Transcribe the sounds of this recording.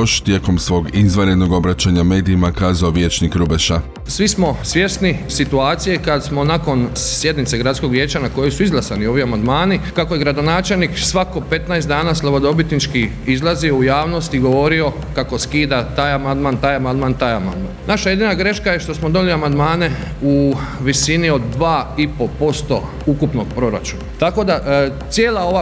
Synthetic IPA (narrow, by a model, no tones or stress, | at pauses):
oʃt̪jeːkomsʋo̞ːɡizʋaɾed̪no̞ɡo̞bɾat͡ɕaɲame̞ːd̪iːmakaːzaoʋje̞ːt͡ʃnikɾubeʃa | sʋismo̞sʋje̞snisit̪uaːt̪sijekad̪smo̞nako̞nsje̞d̪nit̪se̞ɡɾat̪sko̞ɡʋje̞ːt͡ɕanako̞josuizlˠasanio̞ʋiamand̪maːnikako̞je̞ɡɾad̪o̞naːt͡ʃe̞lniːksʋako̞pe̞t̪naest̪d̪aːnaslˠaʋo̞d̪o̞bit̪nit͡ʃki | izlˠazio̞ujaːʋno̞st̪iɡo̞ʋo̞ɾio̞ | kako̞skiːd̪at̪aːjamand̪maːnt̪aːjamand̪maːnt̪aːjama̰nd̪ma̰ːnnʔaʃaje̞d̪inaɡɾe̞ʃkajeʃt̪o̞smod̪oniliamand̪maːne̞ | uʋisinio̞d̪ːʋaːipo̞po̞st̪o̞̰ | ukupno̞ɡpɾo̞ɾa̰t͡ʃuna̰t̪ako̞d̪a | sjeːlˠao̞ʋa